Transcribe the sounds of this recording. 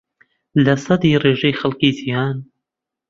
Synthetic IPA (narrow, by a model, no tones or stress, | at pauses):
lɐsˤɑd̪iːreːʒɛjxɐlkiːzijaːn